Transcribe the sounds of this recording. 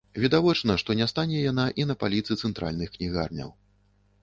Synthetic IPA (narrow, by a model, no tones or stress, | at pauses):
vʲid̪avɔt͡ʂnɐʂt̪ɔnʲɛst̪anʲɛjanaʔinɐpalʲit̪sɨt̪sɛnt̪ɾa̰lʲnɨxknʲiɣa̰rnʲɐ̰w